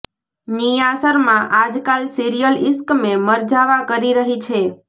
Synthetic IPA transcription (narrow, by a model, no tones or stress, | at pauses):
nijasəɾmãʔad͡ʒkalsiɾijəlɪskmeməɾd͡ʒaʋakəɾiɾəɦit͡ʃʰe